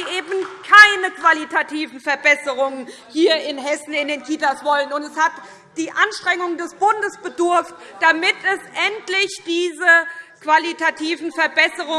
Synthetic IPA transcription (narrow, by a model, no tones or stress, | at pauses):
ʔeːbn̩kʰaɪnəkv̥alitʰatʰiːvn̩fɛɐbɛsəʁʊŋən | hiːɐɪnɦɛsn̩ɪndeːnkʰiːtasv̥ɔlənʊntɛshat | d̥iːʔanʃtʁ̥ɛŋʊŋdɛsb̥ʊndəsb̥ədʊɐft̚ | d̥amɪtɛsʔɛntlɪçd̥iːzəkv̥alitʰatʰiːvn̩fɛɐbɛsəʁʊ